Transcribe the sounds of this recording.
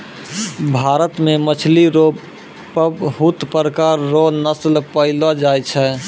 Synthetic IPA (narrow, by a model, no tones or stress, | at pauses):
bʱaɾət̪memət͡ʃʰliɾo | pɦut̪pəɾəkaɾːonəslpəɪlad͡ʒajt͡ʃʰɛ